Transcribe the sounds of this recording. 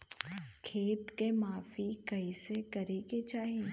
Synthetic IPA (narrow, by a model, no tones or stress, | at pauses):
kʰeːt̪kemaːfikɐisekɐɾeket͡ʃaːɦeː